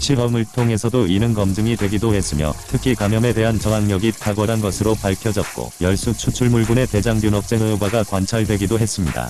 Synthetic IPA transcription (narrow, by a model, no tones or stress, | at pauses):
ɕʰiɾʌmɯɭtʰoŋe̞sʰʌdoinɯnɡʌmdɯŋidwe̞ɡidohe̞s͈ɯmjʌ̰tʰɯkʰikwamjʌme̞de̞ɦant͡ɕʌŋaŋɲʌɡitʰaɡʌɾanɡʌsʰɯɾopaɭkʰjʌd͡ʑʌt̚k͈o̰jʌɭs͈ut͡ɕʰut͡ɕʰuɭmuɭɡune̞te̞d͡ʑaŋbjunʌk̚s͈eŋɯbaɡakwant͡ɕʰaɭdwe̞ɡidoɦe̞s͈ɯmɲida̰